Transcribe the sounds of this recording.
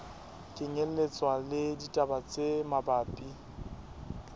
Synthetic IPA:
kʼɪɲel̩let͡sʼwalɪditʼabat͡sʼemabaːpʼi

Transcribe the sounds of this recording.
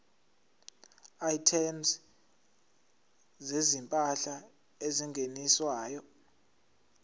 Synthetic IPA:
ajitʰɛms | zezimpʼaɬa | eziŋʱeniswaːjɔ

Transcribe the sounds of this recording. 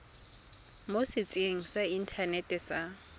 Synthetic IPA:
mosɪt͡sʼeŋ̩sain̩tʰanɛtɛsa

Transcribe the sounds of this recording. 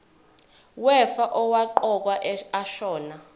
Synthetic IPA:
wɛfaʔɔwaǃɔk̬waʔaʃɔːna

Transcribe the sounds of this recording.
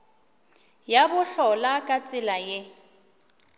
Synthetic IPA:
jabʊɬɔlakʼat͡sʼɪlaje

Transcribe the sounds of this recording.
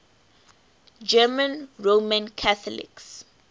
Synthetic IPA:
d͡ʒɛːmə̃nɹomə̃nkʰaθɔlɪ̰ks

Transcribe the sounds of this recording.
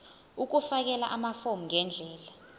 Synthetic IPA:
uk̬ufak̬ɛla̰ʔamafomuŋʱɛnd͡ɮʱɛːla

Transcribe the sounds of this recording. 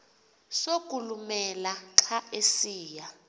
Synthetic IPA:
sokʼulumɛlaǁʰaesiːja

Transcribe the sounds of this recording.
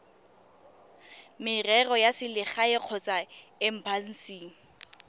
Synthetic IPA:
mɪrɛrɔjasɪlɪχaɪq͡χʰɔt͡sʼaɪm̩pʰan̩siːŋ̩

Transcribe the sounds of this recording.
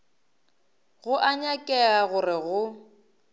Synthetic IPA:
ɣʊʔaɲakʼɛaɣʊrɪɣʊ

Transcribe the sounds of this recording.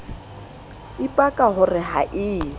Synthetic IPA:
ɪpʼakʼaɦʊrɪɦa̰ʔɪː

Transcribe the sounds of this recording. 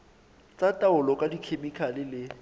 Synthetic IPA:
t͡sʼatʼaʊlɔkʼadikʰemikʰalɪlɪ

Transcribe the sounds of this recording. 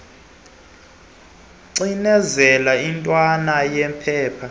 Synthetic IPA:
ǀinɛzɛlaintʼwanajɛmpʰɛːpʰa

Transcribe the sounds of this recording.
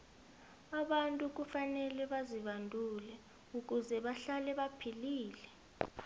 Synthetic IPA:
aɓantʼuk̬ufanɛlɛɓaziɓandʱulɛ | uk̬ʼuzɛɓaɬalɛɓapʰiliːlɛ

